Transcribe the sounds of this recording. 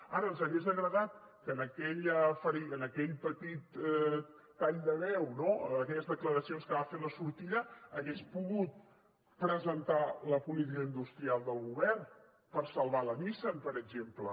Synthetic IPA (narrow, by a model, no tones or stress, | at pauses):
aɾəːnzəɣezðəɣɾəðat̪̚ | kəːnəkɛʎəfəɾiənəkɛʎpət̪it̪ː | aʎd̪əβɛwnoːkɛʎəzðəkləɾəsionskəβafeləsuɾt̪iʎəːɣespuɣut̪̚ | pɾəzənt̪aləpulit̪̬ikəind̪ust̪ɾialˠd̪əlˠɣuβɛrn | pəɾsəlˠβaləβisəmpəɾəɡʒemplə